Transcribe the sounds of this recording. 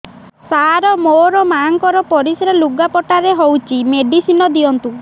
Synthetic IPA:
saɾɔmoɾɔmaŋkɔɾɔpɔɾisɾeluɡapɔʈaɾeɦowt͡ʃʰimeɖisinɔd̪iɔnt̪u

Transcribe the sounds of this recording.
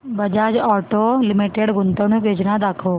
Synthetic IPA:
bɐd͡ʒaːd͡ʒɔːʈolɪmiʈeɽɡʊnt̪əñũkeːd͡ʒnad̪aːkʰoː

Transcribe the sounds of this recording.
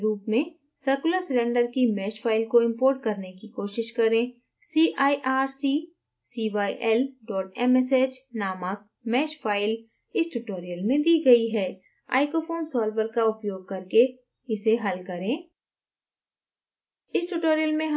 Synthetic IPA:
ɾuːpmẽ | sɐɾkʊləsɾẽːɳɖəɾkimɛːʃpʰaːɪlkoɪ̃mpoːɾʈkɐɾnekikoːʃɪʃkɐɾẽː | siːʔaːiʔaːɾsiː | siːʋaːiʔɛlɖɔːʈɛmɛseːt͡ʃnaːmək̚ | mɛːʃfʰaːɪl | ɪsʈuʈoːɾijəlmẽd̪iːɡɐiɦɛː | a̰ːɪkofʰoːnsɔːlʋəɾkaʊpjoːɡ̚kɐɾke | ɪseɦɐlkɐɾẽː | ɪsʈuʈoːɾijəlmẽɦ

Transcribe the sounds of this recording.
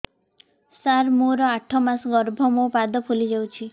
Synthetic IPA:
saɾmoɾɔaʈʰɔmasɡɔɾbʱɔmopad̪ɔpʰulid͡ʒawt͡ʃʰi

